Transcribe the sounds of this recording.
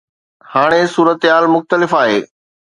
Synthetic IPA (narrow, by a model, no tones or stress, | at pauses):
haːɽ̃esuːɾət̪ɦaːlmʊxt̪əlɪfaːɦḛː